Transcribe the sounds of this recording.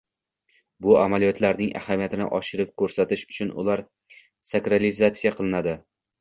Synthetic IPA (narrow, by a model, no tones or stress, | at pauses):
bʊamalijɒt̪ʰlaɾnɪŋʔa̰hamijat̪ʰɪnɪ̰ʔɒʃɪɾɪp̚kʰɵɾsat̪ɪʃʊ̥t͡ʃʰʊnʊ̰laɾ | sakɾalizat̪sijaqʰɨlˠɪnad̪ɪ